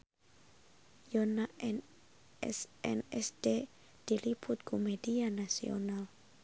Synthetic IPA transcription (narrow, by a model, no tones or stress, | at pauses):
jɔnaɛn | ɛsɛ̰nɛsde | d̥ilipʊt̪̚kumedianasḭo̰nal